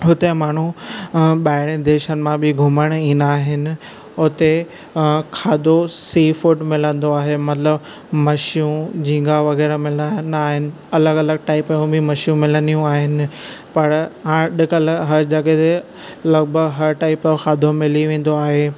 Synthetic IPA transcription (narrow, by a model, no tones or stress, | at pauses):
ɦʊt̪emaːɳ̤ũ | ɓaːɪɽ̃ẽd̪eːʃənɪ̆mãbɪɡʱʊməɽ̃ĩːnd̪aːɦɪnɪ̆ | ʊt̪e | kʰaːd̪osiːfʊʈmɪlə̃nd̪oaːɦemɐt̪ləb | mɐʃijũd͡ʑĩːɡaʋɐɣɛːɾamɪlanaːɦɪnɪ̆ | ɐləɡɐləɡ̚ʈaːɪpɐjũbʱɪmɐʃjũmɪlə̃nijũaːɦɪnɪ̆pɐɾɦãɗɪkəlɦɐɾd͡ʑɐɠet̪e | lɐɡbʱəɡɦɐɾʈaːɪpkʰaːd̪ʱomɪliʋẽːn̆d̪oaːɦeː